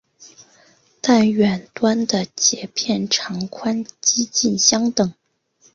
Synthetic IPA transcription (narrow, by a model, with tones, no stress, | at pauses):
t̪a˥˩nɥɛ˨˩nt̪wa˥nd̪ə˨t͡ɕjɛ˧˥pʰjɛ˥˩nʈ͡ʂʰɑ˧˥ŋkʰwa˥nt͡ɕi˥t͡ɕi˥˩nɕjɑ˥ŋt̪ɤ˨˩˦ŋ